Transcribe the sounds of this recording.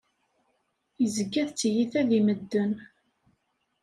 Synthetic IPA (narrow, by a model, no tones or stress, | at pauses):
jəzəɡːæðt͡sːjiθæðiməd̪ːən